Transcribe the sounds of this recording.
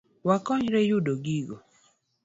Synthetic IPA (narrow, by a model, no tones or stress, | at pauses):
wakɔɲɾɛjʊdoɡiɡo̰